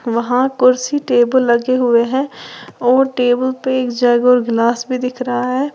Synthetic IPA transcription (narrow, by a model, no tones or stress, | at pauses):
ʋɐɦãkʊɾsiʈeːbəlːɐɡeɦʊeɦɛ̃ɔːɾʈeːbəlpeeːkd͡ʒɛɡɔːɾɡlaːsbʱid̪ɪkʰɾɐɦaɦɛː